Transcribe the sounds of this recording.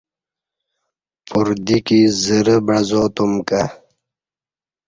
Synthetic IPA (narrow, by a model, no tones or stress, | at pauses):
puɾd̪ikizəɾəbɐzoːt̪umka